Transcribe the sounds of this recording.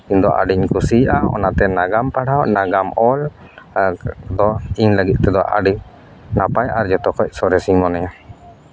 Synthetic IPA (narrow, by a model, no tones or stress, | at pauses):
iɲd̪ɔʔa̰ɖiɲkusiʔaɔ̰nat̪ɛnaɡampaɽawʔnaɡamɔl | d̪ɔiɲləɡit̪̚ˀt̪ɛd̪ɔʔa̰ɖi | napajʔaɾd͡ʒɔt̪ɔkɔc̚sɔɾɛsimɔnɛja